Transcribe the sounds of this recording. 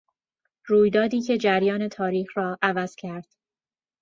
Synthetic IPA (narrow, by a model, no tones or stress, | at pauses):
ɾuːjd̪ɒːd̪iːcʰe̞d͡ʒæɾjɒːne̞t̪ʰɒːɾiːxɾɒːʔævæz̥cʰæɾd̪̥